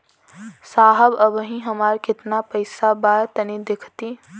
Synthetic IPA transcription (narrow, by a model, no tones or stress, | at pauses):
saːɦəbəbɦĩɦəmaːɾkɪt̪napəɪsabaːjt̪ənid̪ɪkʰt̪i